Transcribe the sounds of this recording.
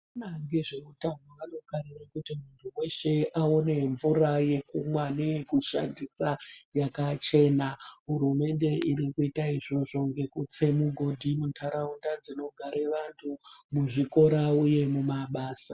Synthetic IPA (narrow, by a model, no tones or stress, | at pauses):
naŋɡeʐeutanwaʋano̞ɡʱaɾirakutimuntʰuwe̞ʃe̞ʔao̞ne̞ɱvuraje̞kumwanekuʃa̰ndisajakat͡ʃe̞ːnaɦurume̞nde̞iɾikuitaiʐo̞ʐo̞ŋɡe̞kut͡se̞muɡʱo̞dʱimutʰaɾaundad͡zino̞ɡʱaɾeʋantʰumuʐiko̞ɾauje̞mumaɓaːsa